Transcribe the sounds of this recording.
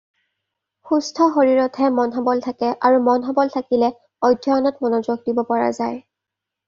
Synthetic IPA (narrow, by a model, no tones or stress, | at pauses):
xustʰɔxoɹiɹɔtʰɛmɔnɦɔbɔltʰakɛʔaɹumɔnɦɔbɔltʰakilɛ | ɔjdʱjɔɔnɔtmɔnɔzoɡ̚dibɔpɔɹa̰zaj